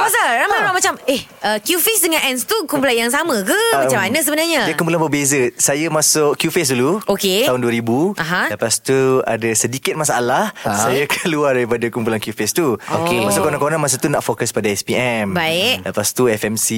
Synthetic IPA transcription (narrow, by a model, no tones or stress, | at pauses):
pasaɾamaɾamat͡ʃamehəkjufesdəŋãnɛnst̪ukump̬ulanjaŋsamə̃kəat͡ʃamanəʔs̬əbənaɲaidkump̬ulanbəbezəsajamasʊʔkjufes̬duluokeaɦʊnduəɾibuʔaɦãləpast̪ua̰dasədikɪt̪̚masaalahsajakanluahdaɾipadakump̬ulankjufest̪uokemasʊʔkonãŋkoonamas̬at̪unaʔfokəspadaɛspiɛmbaɪʔləpast̪uɛfɛmsi